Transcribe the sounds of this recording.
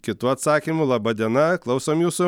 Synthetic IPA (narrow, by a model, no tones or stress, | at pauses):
kʲɪt̪uːɐt̪sɑːkʲimʊlˠɑbɐd̪ʲiɛnɐklˠɐʊsoːmjuːsʊ